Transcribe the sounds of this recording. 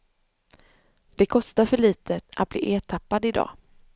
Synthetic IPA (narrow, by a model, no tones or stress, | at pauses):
d̪̥ɛkʰɔst̪aɾfœɭiːt̪ʰəʔa̰t̪̚blḭːʔeːt̪ʰapːad̪ɪd̪ɑ̰ː